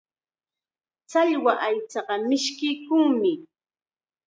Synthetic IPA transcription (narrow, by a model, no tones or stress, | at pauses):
t͡saʎwaʔajt͡sɑɢɑmɪʃkɪjkʊŋmɪ